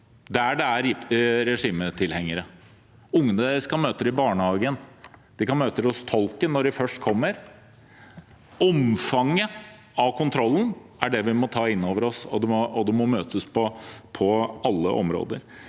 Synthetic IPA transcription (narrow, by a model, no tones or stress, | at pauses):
d̪ɛæɖɛæɾɪɾɛʂiːmət̪ʰɪlhɛŋːəɾə | ʊŋːənəɛskɑmøːt̪əɾɪbɑːɳəhɑːɡənd̪̥ɪkɑnmøːt̪əɾɔst̪ʰɔlˠkənːɔɖɪfœʂʈkʰɔmːəɾ | ɔmfɑŋːə | ɑʋkʰʊnt̪ʰɾɔlːn̩æɖɛʋɪmɔt̪ʰɑːɪnːoːʋəɾɔsɔ̰d̪ɛmɔɔd̪ɛmɔmøːt̪ʰəspʰɔpʰɔɑlːə̰ʔɔ̰mɾo̰ːd̪ə̰ɾ